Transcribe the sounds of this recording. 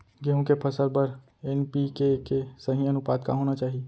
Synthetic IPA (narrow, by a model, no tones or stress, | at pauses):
ɡeɦũkepʰəsəlbəɾ | eːnpikekesəɦĩənʊpaːd̪ka̰ɦoːnat͡ʃaːɦie